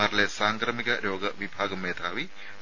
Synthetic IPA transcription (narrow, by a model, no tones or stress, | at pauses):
aːɾlesaːŋkɾɐmiɣɐɾo̞ːɡɐʋibʱaːɡɐmːeːd̪ʱaːʋi